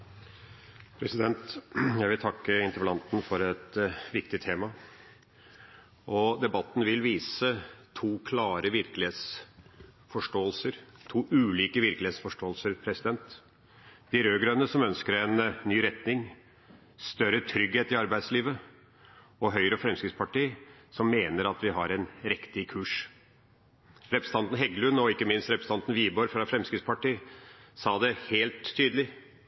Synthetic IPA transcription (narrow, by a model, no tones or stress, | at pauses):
pʰɾɛsɪd̪ɛnt̪jæɪʋɪlt̪ʰɑkːəɪnt̪əɾpəlɑnt̪nfɔɾɛt̪ʋɪk̚t̪ɪt̪ʰeːmɑ | ɔd̪ɛbɑt̪ːn̩ʋɪlʋiːsət̪ʰuːkʰlɑːɾəʋɪɾklɪeːt̪s | fɔʂʈoːəlsəɾt̪ʰuːʔʉːliːkəʋɪɾklɪeːt̪sfɔʂʈoːlsəɾpʰɾɛsɪd̪ɛnt̪ | d̪̥ɪɾøːɡɾœnːəsɔmœnskəɾɛnnyːɾɛt̪nɪŋ | st̪œɾət̪ʰɾʏɡheːt̪ɪɑɾbæɪd̪sliːʋə | ɔɦœʏɾəfɾɛmskɾɪt̪spɑʈiːsɔmːeːnəɾɑt̪ʋɪɦɑɾɛnɾɪkt̪ɪkʰʉːʂ | ɾɛpɾəsə̥ɑnt̪n̩ɦɛɡlʉnɔɪkːəmɪnst̪ɾɛpɾsə̥nɑnt̪n̩ʋiːbɔɾfɾɑfɾɛmskɾɪt̪spɑʈiːsɑːd̪ɛheːlt̪ʰːyːd̪lɪ